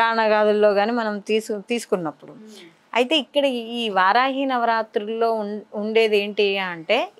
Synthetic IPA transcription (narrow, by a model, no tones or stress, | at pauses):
aːnɐɡaːd̪ulːo̞ːɡaːniːmɐnɐmt̪iːst̪iːsu̥kunːɐpːuɽu | ɐjit̪e̞ːikːɐɽɐiːʋaːɾaːɦiːnɐʋɐɾaːt̪ɾulːo̞ːuɳɖe̞ːd̪e̞ːɳʈiaːɐɳʈe̞ː